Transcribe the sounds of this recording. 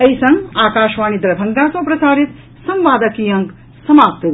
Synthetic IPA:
ɐjsɐ̃ŋɡaːkaːʃʋaːnid̪ɾɐbʱɐŋɡ̪aːsɐ̃pɾɐsaːɾit̪ | sɐ̃mʋaːd̪ɐkiːjɐ̃ŋk | sɐmaːp̚t̪ɐ

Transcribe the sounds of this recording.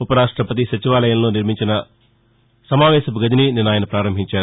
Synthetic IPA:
upɐɾaːʂʈɾɐpɐt̪̬isɐt͡ʃiʋaːlɐjɐmlo̞ːniɾmiɲt͡ʃinɐ | sɐmaːʋɛːʃɐbɡɐd̪inininaːjɐnɐpɾaːɾɐmbʱiɲt͡ʃaːɾu

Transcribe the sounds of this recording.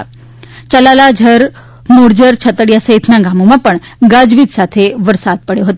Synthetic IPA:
t͡ɕəlalad͡ʑʱəɾ | moɾd͡ʑəɾt͡ɕʰət̪əɽjasəjt̪ʰnaɡamomapəɳ | ɡad͡ʑʋit̪sat̪ʰeʋəɾsad̪̚pəɽjoɦət̪o

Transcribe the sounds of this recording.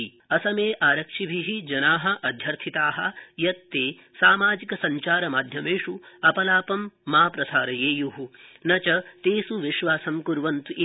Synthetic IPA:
i | ɐsɐmeːʔaːɾɐkʂibʱiɦid͡ʒɐnaːɦɐ̆ʔɐd̪ʱjɐɾt̪ʰit̪aːɦɐ̆jɐt̪ːeː | saːmaːd͡ʒikɐsɐɲt͡ʃaːɾɐmaːd̪ʱjɐmeːʂuɐpɐlaːpɐmːaːpɾɐsaːɾɐjeːjuɦunɐt͡ʃɐt̪eːsuʋiʃʋaːsɐmkuɾʋɐnt̪uʔi

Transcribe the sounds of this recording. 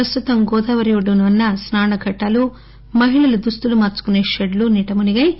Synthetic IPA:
pɾɐst̪ut̪ɐmɡɔːd̪ɐʋɐɾjoɖunʋɐnːɐsnaːɳɐɡʱɐʈːalu | mɐɦiɭɐlud̪ust̪ulumaːt͡ʃu̥kune̞ːʃeɖluniʈɐmuniɡɐj

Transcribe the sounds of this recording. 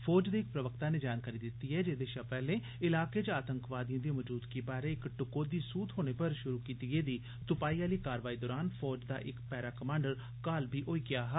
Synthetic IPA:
pʰɔːd͡ʒd̪eːɪk̚pɾəʋəkt̪aːneːd͡ʒaːnkaːɾiːd̪ɪt̪ːiːɦɛːd͡ʒeːd̪eːʃapɛːlẽː | ɪlaːkeːd͡ʒaːt̪əŋkʋaːd̪ijãːd̪iːmɔd͡ʒuːd̪keːbaːɾeɪkʈʊkoːd̪iːsuːt̪ɦoːñeːpəɾʃʊɾuːkiːt̪ɪɡeːd̪iː | t̪ʊpaːiːaːləiːkaːɾʋaːiːd̪ɔːɾaːnpʰɔːd͡ʒd̪a̰ːʔɪkpɛːɾaːkəmãːɳɖəɾ | kaːlbʱiːʔoːiːɡɪaːɦa

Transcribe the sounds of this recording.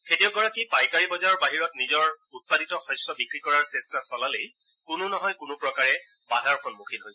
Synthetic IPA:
kʰetijɔɡɔɹakipajkaɹibɔzaɹɔɹbaɦiɹɔtnizɔɹut̚paditɔxɔsɔbikɹikɔɹaɹsɛstasɔlalej | kʊnʊnɔɦɔjkʊnʊpɹɔkaɹɛ | badʱaɹkʰɔnmukʰitɦojs

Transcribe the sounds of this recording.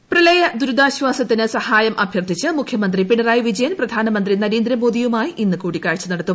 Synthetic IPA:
prɐlɐjɐd̪uɾud̪aːɕʋaːsɐt̪ːinɨsɐhaːjɐmʔɐbʱjɐrt̪ʰit͡ɕːɨmukʰjɐmɐnd̪ripiɳɐraːjiʋid͡ʑɐjɐnprɐd̪ʱaːnɐmɐnd̪rinɐɾeːnd̪ɾɐmo̞ːd̪ijumaːjiʔinːɨkuːɽikʲːaːɻt͡ɕːɐnɐɽɐt̪ːum

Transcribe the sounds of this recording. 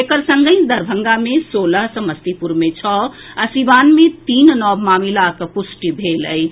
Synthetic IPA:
ekəɾsəŋɡəjd̪əɾbʱəŋɡamesoləɦsə̃məst̪ipuɾmet͡ʃʰɔ | əsibanmet̪innɔbmamilakəpusʈibʱeləi

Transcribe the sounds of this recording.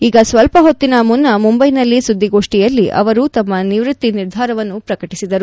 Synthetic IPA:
iːɡɐsʋɐlpɐɦo̞t̪ːinɐmunːɐmumbɐjnɐlːisud̪ːiɡo̞ːʂʈijɐlːiʔɐ̰ʋɐɾut̪ɐmːɐniʋɾut̪ːiniɾd̪ʱaːɾɐʋɐnːupɾɐkɐʈisid̪ɐɾu

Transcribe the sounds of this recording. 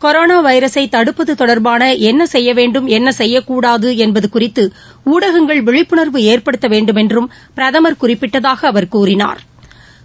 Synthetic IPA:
kɔɾoːnaːʋɐɪɾɐsɐɪt̪ɐɽɯpːɐðɯt̪ɔɽɐɾbaːnɐʔɛnːɐsɛjːɐʋeːɳɖɯmɛnːɐsɛjːɐkːuːɽaːðɯɛnbɐðɯkʊrɪt̪ːɯ | uːɽɐɣɐŋɡɐɭʋɛɻɪpːɯɳɐɾʋɯeːrpɐɽɯt̪ːɐʋeːɳɖɯmɛndrɯm | pɪɾɐðɐmɐɾkʊrɪpːɪʈːɐðaːɣɐːʋɐɾkuːrɪna̰ːɾ

